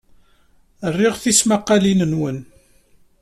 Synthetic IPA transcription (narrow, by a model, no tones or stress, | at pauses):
ərːɪʁθismaqːalinənwən